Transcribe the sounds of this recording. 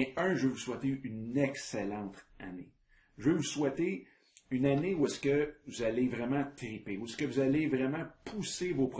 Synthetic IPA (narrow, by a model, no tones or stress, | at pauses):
ɛ̃œ̃ʒəvøvuswɛt̪eynɛkselɑ̃t̪a̰nḛ | ʒəvøvuswɛt̪e | ynaneuɛskəvuzalevʁɛmɑ̃t̪ʁipeuɛskəvuzalevʁɛmɑ̃pʰusevopʁ